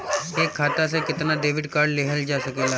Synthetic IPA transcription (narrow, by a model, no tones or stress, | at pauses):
eːkʰːaːt̪as̬ẽkɪt̪naɖeːʋɪɖkaːɾɖleɦəld͡ʒaʃəkela